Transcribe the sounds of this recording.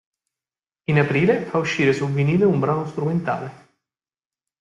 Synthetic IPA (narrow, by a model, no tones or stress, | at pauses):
inapɾiːlefauʃːiːɾesuviniːleumbɾaːnost̪ɾument̪a̰ːle